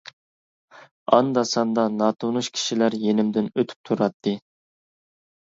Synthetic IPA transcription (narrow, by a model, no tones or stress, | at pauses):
ɑnd̪ɑsɑnd̪ɑnɑːt̪ʰunuʃkʲʰi̥ʃilæɾjenɪmd̪ɪnøt̪ʰy̥p̚t̪ʰuɾɑt̪ʰːɨ